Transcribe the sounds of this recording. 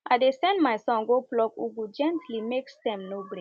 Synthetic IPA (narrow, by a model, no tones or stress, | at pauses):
ʔaɪdesɛ̃ndmajsɔ̃ŋɡoplɔkuɡud͡ʒɛ̃ntʰlimeksdɛ̃mnobɾe